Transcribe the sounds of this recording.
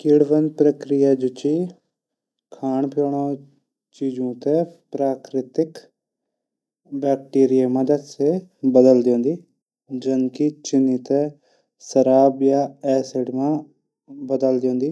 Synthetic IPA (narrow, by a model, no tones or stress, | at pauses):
kɪɽʋənpɾəkɾɪjaːd͡ʒʊt͡ʃiː | kʰaːɳpjoːɳoː | t͡ʃiːd͡ʒũːt̪eːpɾaːkɾɪt̪ɪk | bɛːk̚ʈiːɾɪjeːməd̪əd̪seːbəd̪əld̪eõːnd̪iː | d͡ʒənkit͡ʃɪnːiːt̪eː | səɾaːbjaːɛːsɪɖmãː | bəd̪əld̪õːnd̪iː